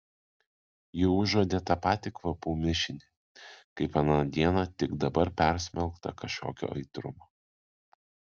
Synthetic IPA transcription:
jɪʊʒoːd̪ʲeːt̪ɑːpɑːt̪ʲɪkʋɐpuːmʲɪʃʲɪnʲe | kɐɪpɐnɑd̪ʲiɛnɑt̪ʲɪɡd̪ɐbɐɾpʲɛɾʲsʲmʲɛlˠkt̪ɐ̰kɐʃʲkʲo̰ːkʲo̰ːʔɐɪt̪ɾʊmoː

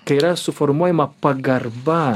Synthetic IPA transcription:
kajɾasufɔɾmɔjmapaɡarba

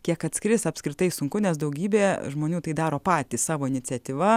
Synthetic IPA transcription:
kʲiɛkɐt̪ʲskɾʲɪsɐpskɾʲɪt̪ɐɪsʊŋkʊnʲɛsd̪ɐʊɡʲiːbʲeːʒmoːnʲuːt̪ɐɪd̪ɑːɾoːpɑːt̪ʲissɑːʋoːɪnʲɪt͡sʲɛt̪ʲiːʋɐ

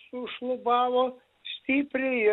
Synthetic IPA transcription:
sʊʃlˠʊbɑːʋoː | sʲt̪ʲiːpʲɾʲɛɪ

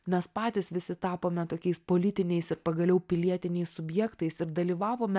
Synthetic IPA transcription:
mʲɛspɑːt̪ʲɪsʋʲɪsʲɪt̪ɑːpoːmʲɛt̪oːkʲɛɪspoːlʲɪt̪ʲɪnʲɛɪsɪɾpɐɡɐlʲɛʊpʲɪlʲiɛt̪ʲɪnʲɛɪssʊbʲjɛkt̪ɐɪsɪɾd̪ɐlʲiːʋɑːʋoːmʲɛ

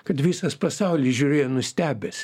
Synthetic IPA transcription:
kɐt̪ʋʲiːsɐspɐsɑˑʊlʲisʒʲuːɾʲeːjonʊsʲt̪ʲæːbʲɛs

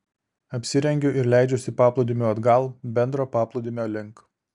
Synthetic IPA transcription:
ɐpʲsʲɪɾʲɛŋʲɡʲʊʔɪɾlʲæˑɪd͡ʒʲʊsʲɪpɑːplˠʊd̪ʲɪmʲuːɐd̪ɡɑlˠbʲɛnd̪ɾoːpɑːplˠɔʊd̪ʲɪmʲoːlʲɪŋˑk

